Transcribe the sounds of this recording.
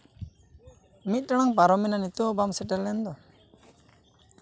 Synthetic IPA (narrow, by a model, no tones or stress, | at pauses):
mit̪̚ˀʈaɽ̃aŋp̬aɾɔmɛnanit̪ɔbamsɛʈɛlːɛnd̪ɔ